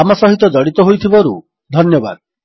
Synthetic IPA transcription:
amɔsɔɦit̪ɔd̪ɔɽit̪ɔɦojt̪ʰibɔɾu | d̪ʱɔnjɔba̰d̪

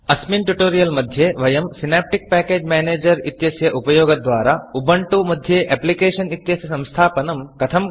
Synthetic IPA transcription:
ɐsminʈuʈoːɾijɐlmɐd̪ʱjeʋɐjɐmsinaːp̚ʈik̚pɛːkeːd͡ʒmɛːneːd͡ʒɐɾit̪jɐsjɐʔupɐjoːɡɐd̪ʋaːɾaubɐɳʈumɐd̪ʱjeʔɛplikeːʃɐnit̪jɐsjɐsɐ̃w̃st̪ʰaːpɐnɐmkɐt̪ʰɐm

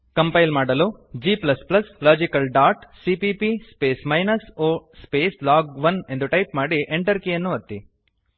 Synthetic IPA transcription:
kɐmpɐjlmaːɽɐlud͡ʒiːplɐsplɐslaːd͡ʒikɐlɖaːʈsipipispeːsmɐjnɐsoːspeːslaːɡʋɐne̞nd̪uʈɐjpmaːɽiʔeɳʈɐɾkijɐnːuʋɐt̪ːi

